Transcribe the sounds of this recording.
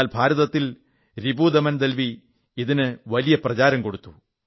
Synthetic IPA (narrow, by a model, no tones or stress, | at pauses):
lbʱaːɾɐðɐt̪ːil | ɾibud̪ɐmɐnd̪elʋi | iðinɨʋɐlijɐprɐt͡ɕaːɾɐmko̞ɽut̪ːu